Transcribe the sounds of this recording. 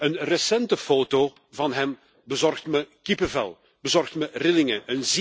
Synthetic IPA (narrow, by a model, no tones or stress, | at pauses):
ənrəsɛntəfoːto | vɑnɦɛm | bəzɔrxtməkipəvɛ̰lˠ | bəzɔrxtmərɪlɪŋəʔənz